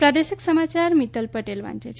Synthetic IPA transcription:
pɾad̪esiksəmat͡ʃaɾmit̪əlpəʈelʋa̰nt͡ʃet͡ʃʰ

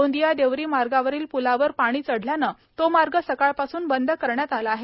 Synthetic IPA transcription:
õnd̪ijad̪eʋɾiːmaɾɡaʋəɾiːlpulaʋəɾpaɽ̃iːt͡səɽ̤ljana | t̪omaɾɡəsəkaɭpasuːnbənd̪ʱəkəɾɳjat̪alaaɦe

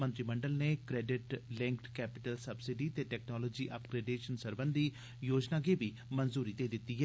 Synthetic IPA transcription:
mənt̪ɾiːməɳɖəlneːkɾɛːɖɪʈlɪ̃ŋkʈkɛːpɪ̥ʈəlsəbsɪɖiːt̪eːʈɛːknɔːlɔːd͡ʒiːʔəpɡɾeːɖeːʃənsəɾbənd̪iː | joːd͡ʒnaːɡeːbiː | mənzuːɾiːd̪eːd̪ɪt̪ːiːɦɛ

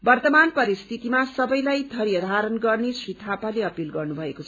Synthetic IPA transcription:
bʌrt̪ʌmanpʌɾist̪ʰit̪imasʌbʌjlajd̪ʱʌɾjʌd̪ʱaɾʌnɡʌrnesrit̪ʰapaleʌpilɡʌrnubʱʌekot͡sʰʌ

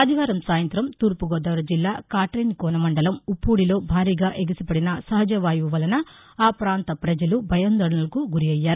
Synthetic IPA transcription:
ɐd̪ʱiʋaːɾɐmsaːjɐnt̪ɾɐmt̪uːɾpuɡɔːd̪ɐʋɐɾɐd͡ʒilːaːkaːʈɾɐnkɔːnɐmɐɳɖɐlɐmupːuːɽilo̞ːbʱaːɾiːɡaːʔeɡisɐpɐɽinɐsɐɦɐd͡ʒɐʋaːjuʋɐlɐnɐ | aːpɾaːnt̪ɐpɾɐd͡ʒɐlubʱɐjɐnd̪ɐɽɐnɐlɐkuɡuɾiɐjːaːɾu

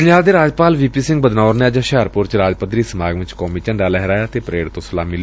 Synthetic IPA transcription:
njaːld̪eːɾaːd͡ʒpaːlʋiːpiːsɪ̃ŋɡbəd̪naːɾneəd͡ʒaʃɛːɾpʊɾt͡ʃɾaːd͡ʒpət̪ɾiːsəmaːɡʋɪ̃t͡ʃkɔːmiːt͡ʃəɳɖaːlɛɦɾaːjaːt̪eːpɾeːɽt̪õːsʊlaːmɪl

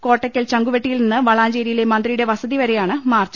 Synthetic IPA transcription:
ko̞ːʈːɐkʲːɐlt͡ɕɐŋɡuʋeʈːijilninːɨʋɐɭaːɲd͡ʑeːɾijile̞mɐnd̪rijɽe̞ʋɐsɐðiʋɐɾe̞jaːɳɨmaːrt͡ɕːɐ

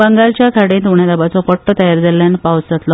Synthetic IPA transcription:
bəŋɡalt͡ɕjakʰaɽẽt̪uɳjad̪abat͡sɔpəʈːət̪əjaɾd͡zaljanəpawst͡sət̪lɔ

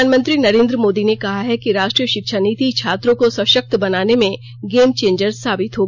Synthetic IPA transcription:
aːnmə̃nt̪ɾinɐɾẽːnd̪ɾəmoːd̪inekɐɦaɦɛkiɾaːʃʈɾijəʃɪkʃaniːt̪it͡ʃʰaːt̪ɾõkosɐʃək̚t̪bɐnaːnemẽ | ɡeːmt͡ʃẽːɲd͡ʒəɾzsaːbɪt̪ɦoː

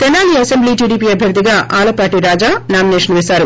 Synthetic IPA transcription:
t̪ɛnaːliɐsembliːʈiːɖiːpiːɐbʱjɐɾd̪ʱiɡaːʔaːlɐpaːʈiɾaːd͡ʒaːnaːmineːʂɐnʋisaːɾu

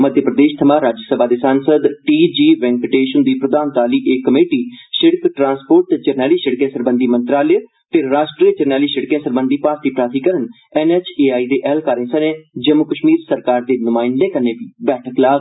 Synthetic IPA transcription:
məd̪ʱjəpɾəd̪eːʃt̪ʰəmãːɾaːd͡ʒəsəbaːd̪eːsaːnsəd̪ʈiːd͡ʒiːʋɛ̃ŋɡpɪʈeːʃənd̪iːpɾəd̪aːnt̪aːliːʔeːkːəmeːʈiːʃɪɽkʈɾãːnspoːɾʈd͡ʒəɾnɛːliːʃəɽkẽːsəɾbənd̪iːmə̃nt̪ɾaːle | t̪eɾaːʃʈɾiːd͡ʒəɾnɛːliːʃəɽkẽːsəɾbənd̪iːpaːɾt̪iːpɾaːt̪iːkəɾən | ɛːnɛːt͡ʃeːaːiːd̪eːʔɛːlkaːɾẽːsənẽːd͡ʒəmʊkəʃmiːɾsəɾkaːɾd̪eːnʊmaːɪnlẽːkəɾneːbiːbɛːʈʰəklaːɡ

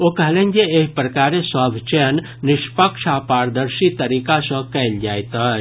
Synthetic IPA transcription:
okɐɦlẽːnd͡ʒeeɦpɾɐkaːɾesaːbʱt͡ʃenː | ɪʃpəkʃʰaːpaːɾd̪əɾʃit̪ɐɾiːkasə̃kɛːld͡ʒaːjt̪ə

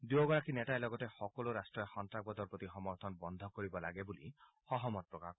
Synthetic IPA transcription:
d̪uoɡɔɹakinɛtaelɔɡɔtexɔkɔloɾasʈɹɔjxɔntɾak̚bɔd̪ɔɾpot̪ixɔmɔɾt̪ʰɔnbɔnd̪ʱɔkoɹibɔlaɡebulḭ | xɔɦɔmɔt̪̚pɹɔka

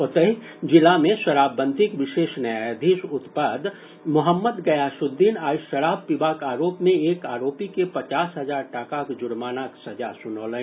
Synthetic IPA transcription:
ʊt̪əɦi | d͡ʒɪlamẽʃəɾaːbːə̃nt̪ɪkʋɪʃeːʃnɐjaːd̪ʱiʃʊt̪pad̪ | mʊɦəmːəd̪ɡɐjaʃʊd̪ːiːnaːjʃəɾaːb̚pibaːkaːɾoːpmẽeːkaːɾoːpikepɐt͡ʃaːsɦɐzaːɾʈaːkakd͡ʒʊɽmaːnaksɐd͡ʒasʊnoːlə̃

